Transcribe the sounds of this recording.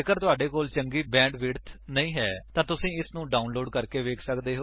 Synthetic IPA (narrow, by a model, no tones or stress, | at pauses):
kəɾt̪ʊaːɖeːkoːlt͡ʃəŋɡiːbɛ̃ːɳɖʋɪːɽt̪ʰnəĩːɦɛːt̪ãːt̪ʊsĩːɪsnũːɖaːʊnloːɖkəɾkeːʋeːkʰsəkd̪eːɦoː